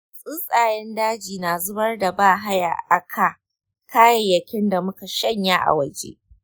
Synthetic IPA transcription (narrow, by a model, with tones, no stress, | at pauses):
sʼɪ˦sʼaː˨jɛ˦ndaː˦d͡ʒiː˨na˨zʊ˦bɐ˦rda˨baː˦˨ɦa˦ja̰ː˨ʔa˨kʰa˨ | kaː˦ja˨jɐ˨kʲɪ˦nda˨mʊ˦ka˨ʃɐ˦ɲjaː˦ʔa̰˨wɐ˨d͡ʒḛː˦